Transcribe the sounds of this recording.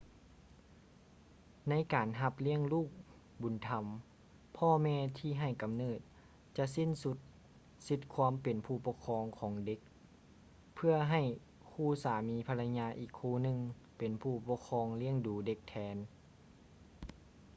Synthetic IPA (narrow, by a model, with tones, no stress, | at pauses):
na˧˥˨jkaː˨nɦa˧p̚li˧˥əŋluː˥˩k̚ | bu˨˩˦nt̪ʰa˧˥m | pʰɔː˧mɛː˧t̪ʰiː˧˩ɦa˧˩jka˨mnɤː˧˩t̪̚ | t͡ɕa˧si˧˥˨nsu˧t̪̚ | si˧˥t̪̚kʰwaː˧˥mpe˨npʰuː˧˩pɔ˧˥kʰɔː˧ŋkʰɔː˨˦ŋde˧˦k̚ | pʰɯ˧ɐɦa˧˩j | kʰuː˧˩saː˨˦miː˨˦pʰa˧la˧ɲaː˧ʔiː˨˩kʰːuː˧˩nɯ˧ŋ | pe˨˩npʰuː˧˩pɔ˧˥kʰɔː˧˥ŋli˧˥˩əŋduː˨˦de˧˦k̚t̪ʰɛː˨˧˦n